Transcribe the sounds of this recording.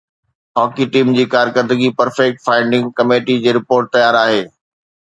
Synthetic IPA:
ɦɔːkiʈiːmd͡ʑiːkaːɾkəɾd̪əɡipɐɾfɛk̚ʈfaːɪɳɖɪ̃ŋɡkɐmeːʈid͡ʑeːɾɪpoːɾʈ̚t̪ɐjaːɾaːɦeː

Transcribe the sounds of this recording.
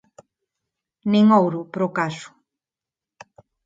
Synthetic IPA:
nĩŋowɾʊpɾokasu̥

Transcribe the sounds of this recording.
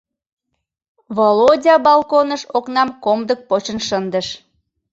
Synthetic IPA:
βolodʲɑbɑlˠkonəʃoknɑmkomd̪ək̚pot͡ɕənʃənd̪əʃ

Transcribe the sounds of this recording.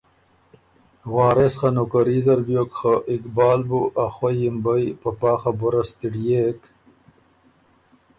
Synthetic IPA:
wɑːɾesχanokaɾizɐɾbjokxaʔikbɑːlbuʔaxwajimbajpapɑːxabuɾast̪iɽjek

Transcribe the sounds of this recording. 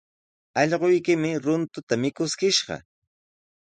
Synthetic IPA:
ɑʎɢojkɪmɪɾʊnt̪ʊt̪amɪkʊskɪʃɢɑ̰

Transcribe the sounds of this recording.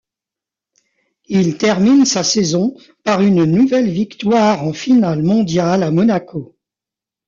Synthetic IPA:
ilt̪ɛʁminsasɛzɔ̃ | paʁynnuvɛlvikt̪waʁɑ̃finalmɔ̃d̪jalamɔnakʰo

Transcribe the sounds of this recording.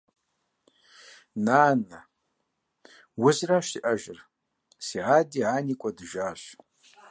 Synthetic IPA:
naːnɐ | wʊzrɐɕiʔɐʒɪr | siːʕaːdiːʕaːniːkʷʼɔdɨʒaːɕ

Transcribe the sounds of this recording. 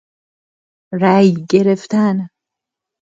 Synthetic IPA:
ɾæjɡeɾeft̪æn

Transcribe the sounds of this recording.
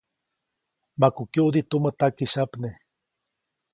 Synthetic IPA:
makukjuud̪it̪umət̪akiʃapne

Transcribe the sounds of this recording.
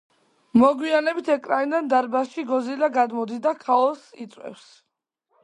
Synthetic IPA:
mɔɡwianɛbit̪ʰɛkʼɾanid̪and̪aɾbasʃiɡɔzilaɡad̪mɔd̪id̪akʰaɔsḭt̪sʼwɛ̰fs

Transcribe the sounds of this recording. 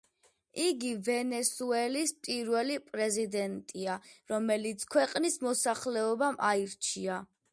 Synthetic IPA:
iɡivɛnɛsuɛlispʼiɾvɛlipʼɾɛzid̪ɛnt̪ʼiaɾɔmɛlit̪sʰkʰwɛqʼnismɔsaχlɛɔbamʔaiɾt͡ʃʰia

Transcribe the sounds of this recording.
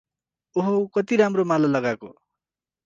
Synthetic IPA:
oɦokʌt̪iɾamromalalʌɡako̰

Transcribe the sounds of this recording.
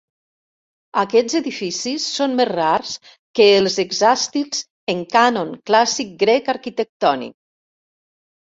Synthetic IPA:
akɛzeðifisisːonmezraɾs | kəːlˠzeɡzast̪ilz̥ | əŋkanoŋklasik̚ɡɾɛkaɾkit̪ək̚t̪ɔnḭk̚

